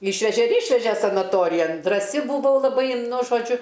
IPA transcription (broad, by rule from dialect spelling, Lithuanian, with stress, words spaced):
ˈiːʃʲʋʲɛʒʲɛ ɪr ˈiːʃʲʋʲɛʒʲɛ sɐnɐˈtoːrʲɪjɛn drɐˈsʲɪ bʊˈʋɐʊ lˠɐˈbɐɪ nʊ ʒoːˈd͡ʒʲʊ